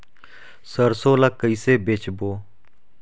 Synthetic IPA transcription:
səɾsoːlakːəiːseːbeːt͡ʃboː

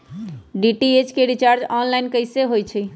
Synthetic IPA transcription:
ɖiʈiet͡ʃkeɾit͡ʃaɾd͡ʒɔnlaɪnkəjseɦojt͡ʃʰi

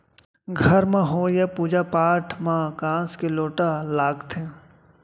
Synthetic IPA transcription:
ɡʱəɾmãɦoːjapuːd͡ʒapaːʈʰmãkãːskeloːʈalaːɡt̪ʰẽ

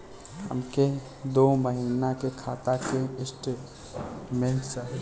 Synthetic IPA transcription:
ɦə̰mke | d̪oməɦinakekʰat̪akeɪsʈe | melsə

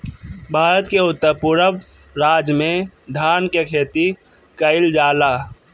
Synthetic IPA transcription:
bʱaːɾət̪keʊt̪ːəɾpuɾəʋ | ɾaːd͡ʒmẽd̪ʱaːnkekʰeːt̪i | kəɪld͡ʒaːlaː

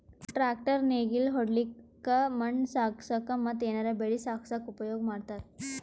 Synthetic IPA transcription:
ʈɾak̚ʈəɾneɡilɦoɽlikː | aməɳsaksakamət̪ːenaɾabeɭisaksakupəjoɡmaɽt̪aɾ

